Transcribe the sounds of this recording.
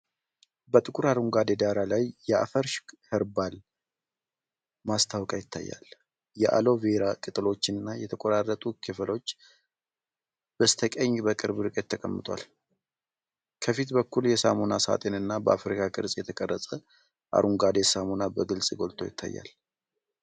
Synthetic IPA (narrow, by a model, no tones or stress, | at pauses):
bət̪ʼɨkʼuɾaɾuŋɡad̪e̞d̪aɾalajjɛa̰fəɾʃhɨɾbal | mast̪ʰawkʼajɪt̪ʰːa̰jːa̰l | jɛʔa̰lo̞veɾakʼɨt̪ʼɨlo̞t͡ʃːɪnɨnːajɛt̪ʰəkʼoɾarːət̪ʼukʰɨflo̞t͡ʃː | b̥əst̪ʰəkʼəɲːbəkʼɨɾbɾɨkʼət̪ʰːəkʼəmːɨt̪ʼwa̰l | kʰəfit̪bəkːuljɛsa̰monasa̰t̪ʼenɨnːabəʔafɾikʰakʼɨ̰ɾsʼjɛt̪ʰəkʼərːəsʼə | ʔa̰ɾʔuŋɡad̪e̞samonabəɡɨlsʼɡo̞lt̪ʰo̞jɪ̰t̪ʰːa̰jːa̰l